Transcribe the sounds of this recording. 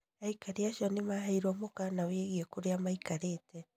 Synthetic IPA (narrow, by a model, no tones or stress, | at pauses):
aikaɾeaʃɔnemaɦaiɾɔmokanaweɣiɛkoɾeamaikaɾetɛ